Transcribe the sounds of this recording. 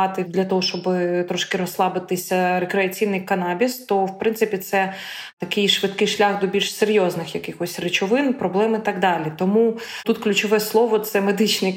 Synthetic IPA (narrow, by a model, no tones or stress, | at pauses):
ɑt̪ɪd̪lʲɐt̪ɔɦɔʃt͡ʃɔbɪt̪ɾɔʃkɪɾɔslˠɑbɪt̪ɪsʲɐɾekɾeɐt͡sʲijnɪjkɐnɑbʲist̪ɔwpɾɪnsɪpʲit̪sɛ | t̪ɐkɪjʃʋɪd̪kɪjʃlʲaxd̪ɔbʲilʲʃseɾʲjoznɪxjɐkɪxɔsʲrɪt͡ʃɔʋɪnpɾɔblˠɛmit̪ɐɡd̪ɑlʲit̪ɔmut̪ut̪klʲʉt͡ʃɔʋɛslˠɔʋɔt̪sɛmed̪ɪt͡ʃnɪj